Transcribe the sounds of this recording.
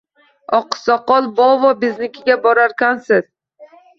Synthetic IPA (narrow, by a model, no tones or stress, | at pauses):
ɒqːɨ̥sɒqɒlˠbɒvɒbɪznɪkʲɪɡʲabɒɾaɾkʲansɪz̥